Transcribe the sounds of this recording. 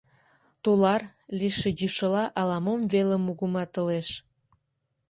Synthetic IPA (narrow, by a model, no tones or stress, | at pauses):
t̪ulɑr | liʃejyʃəlɑʔɑlɑmomvelə̆muɣumɑt̪ə̆leʃ